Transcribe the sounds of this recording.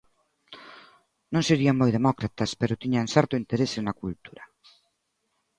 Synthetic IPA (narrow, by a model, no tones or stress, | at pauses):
nõŋseɾiaŋmojðemɔkɾat̪aspeɾʊt̪iɲaŋsɛɾt̪ʊint̪eɾesenakult̪uɾɐ